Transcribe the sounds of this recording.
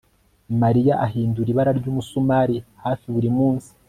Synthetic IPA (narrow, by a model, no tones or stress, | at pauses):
maɾijaʔaɦiːnduɾiβaɾaɾɟuːmusumaɾihaːfiβuɾimuːnsi̥